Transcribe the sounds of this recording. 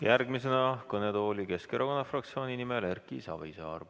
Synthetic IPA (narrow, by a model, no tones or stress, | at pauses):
jærɡmis̬e̞nɑkɤne̞t̪o̞ːlʲike̞ske̞ɾoko̞nːɑfrɑk̚t̪sio̞ːnʲinime̞lerkisɑ̰vḛiseɑ̰rvu